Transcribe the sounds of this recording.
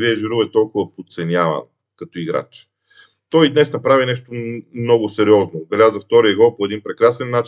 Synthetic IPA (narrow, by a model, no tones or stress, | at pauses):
viɛʒiɾuvɛt̪ɔlˠkʊvɐpot̪t̪sɛnʲjavɐ̰n | kɐt̪oiɡɾa̰t͡ʃ | t̪ɔjd̪nɛsnɐpɾavinɛʃt̪omnɔɡosɛɾiɔznoɡ̪ɐlʲazɐft̪ɔɾijɛɡɔpoɛd̪inpɾɛkɾasɛnːat͡ʃ